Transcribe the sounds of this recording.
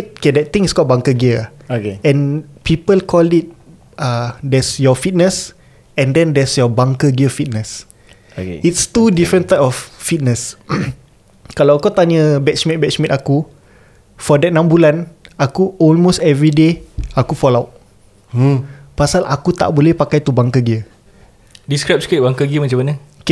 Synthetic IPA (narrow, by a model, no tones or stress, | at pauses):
kedɛt̚t̪ĩŋiskɔlbãŋkəɡiə | okeɛ̃npipəlkʰɔlit̚ | adɛsjɔfit̚nəs | ɛ̃ndɛ̃ndɛsjɔbãŋkəɡiəfit̚nəs | okḛitst̪udifɹə̃nt̪ajpɔfːit̚nəs | kalawakawt̪aɲəbɛtsmɛ̃t̚bɛtsmɛ̃t̪aku | fɔdɛt̚nãmbulanakuɔlmostɛvɹideakufɔlawt̚ | pasalʔa̰kut̪a̰ʔbolɛhpakajt̪ubaŋkəɡiə | diskɹap̚skit̚baŋkəɡiəmat͡ʃãmanəoke